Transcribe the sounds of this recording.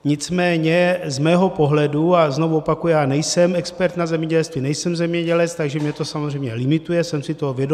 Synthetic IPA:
ɲɪt͡smɛːɲɛzmɛːɦo̞po̞ɦlɛduaznovuopakujɛjaːnɛjsɛmɛkspɛɾt̪nazɛmɲɛɟɛlst̪vinɛjsɛmzɛmɲɛɟɛlɛt͡st̪aɡʒɛmɲɛt̪o̞samozr̝ɛjmɲɛlɪmɪt̪ujɛsɛmsɪt̪ovjɛdo

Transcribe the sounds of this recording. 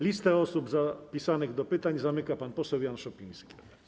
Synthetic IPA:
lʲist̪ɛɔsubzapʲisanɘɣd̪ɔpɘt̪aɲzamɘkapanpɔsɛwjanʂɔpʲĩjskʲi

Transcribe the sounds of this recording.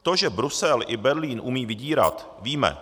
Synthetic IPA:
t̪oʒɛbɾusɛlʔɪbɛɾliːnʔumiːvɪɟiːɾa̰t̪ | viːmɛ̰

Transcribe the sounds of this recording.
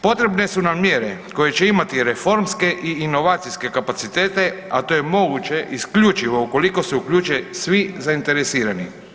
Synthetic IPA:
po̞t̪ɾe̞bne̞sunamjeɾe̞ko̞je̞t͡ʃeimat̪iɾe̞fo̞ɾmske̞ʔiino̞ʋaːt̪sijske̞kapat̪sit̪eːt̪e̞at̪o̞je̞mo̞ɡut͡ʃe̞ʔiskʎut͡ʃiʋo̞uko̞liko̞seukʎuːt͡ʃesʋizaint̪e̞ɾesiːɾani

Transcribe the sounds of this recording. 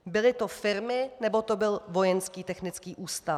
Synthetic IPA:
bɪlɪt̪o̞fɪɾmɪnɛbo̞t̪o̞bɪlvo̞jɛnskiːt̪ɛxnɪt͡skiːʔuːst̪a

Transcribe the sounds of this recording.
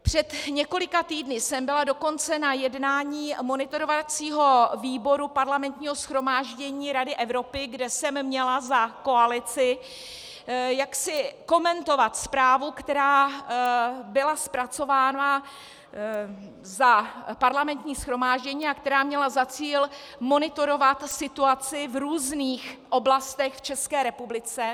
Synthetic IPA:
pr̝̥ɛt̪ɲɛko̞lɪkat̪iːdnɪsɛmbɪlado̞ko̞nt͡sɛnajɛdnaːɲiːmo̞nɪt̪o̞ɾovat͡siːɦo̞viːbo̞ɾupaɾlamɛnt̪ɲiːɦo̞sxɾo̞maːʒɟɛɲiːɾadɪʔɛvɾo̞pɪɡdɛsɛmːɲɛlazako̞alɪt͡sɪ | jaksɪko̞mɛnt̪o̞vat̪spɾaːvukt̪ɛɾaː | bɪlaspɾat͡so̞vaːna | zapaɾlamɛnt̪ɲiːsxɾo̞maːʒɟɛɲiːakt̪ɛɾaːmɲɛlazat͡siːl | mo̞nɪt̪o̞ɾo̞vat̪sɪt̪uat͡sɪvɾuːzniːxʔo̞blast̪ɛxft͡ʃɛskɛːɾɛpublɪt͡sɛ

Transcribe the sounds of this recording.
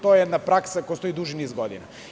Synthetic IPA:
t̪ɔɛɛd̪napɾaksakɔjst̪ɔid̪uʒinizɡɔd̪ḭna̰

